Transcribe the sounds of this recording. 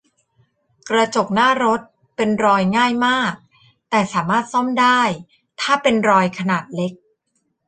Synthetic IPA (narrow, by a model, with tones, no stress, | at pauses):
kɾa˧t͡ɕo˨˩k̚naː˥˩ɾo˦˥t̪̚ | pe˧nɾɔː˧jŋaː˥˩jmaː˥˩k̚ | t̪ɛː˨˩saː˩˦maː˥˩t̪̚sɔ˥˩mdaː˥˩j | t̪ʰaː˥˩pe˧nɾɔː˧jkʰa˧naː˨˩t̪̚le˦˥k̚